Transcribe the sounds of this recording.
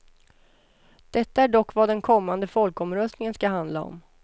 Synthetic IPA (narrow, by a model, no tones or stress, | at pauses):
d̪̥ɛt̪ːaæɖɔkːvad̪ɛnkʰɔmːand̪əfɔlkɔmɾœst̪nɪŋənskaɦand̪laɔ̰m